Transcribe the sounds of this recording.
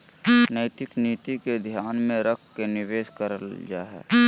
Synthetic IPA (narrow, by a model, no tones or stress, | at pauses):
nəɪt̪ɪkniːt̪iked̪ʱjaːnmẽɾəkʰkenɪʋeːskəɾəld͡ʒa̰ːɦɛ̰ː